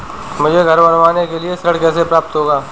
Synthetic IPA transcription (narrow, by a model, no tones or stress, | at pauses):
mʊd͡ʒʱeɡʱɐɾbɐnʋaːnekeliesɾəɽkɛːsepɾaːp̚t̪ɦoːɡaː